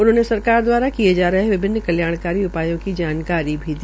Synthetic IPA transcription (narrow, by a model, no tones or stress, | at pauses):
ʊnɦõːnesɐɾkaːɾd̪waːɾakied͡ʒaːɾɐɦeʋɪbʱɪnːəkɐljaːɽ̃kaːɾiʊpaːjõkid͡ʒaːnkaːɾibʱid̪i